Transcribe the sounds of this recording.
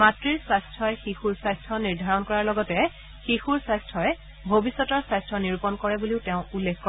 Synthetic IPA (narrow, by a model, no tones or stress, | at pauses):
matɹiɹsajstʰɔjxixuɹsajstʰɔniɹdʱaɹɔnkɔɹaɹlɔɡɔtɛ | xixuɹsajstʰɔjɛ | bʱobisːɔtɔɹsajstʰɔniɹupɔnkɔɹɛbuliʊteʊ̃ulːekʰkɔ